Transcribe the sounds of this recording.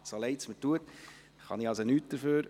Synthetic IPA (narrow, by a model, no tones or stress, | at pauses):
soleɪt͡smətuət̪ | χɑ̰niɑsonyːt̚d̥̪əɾføːɾ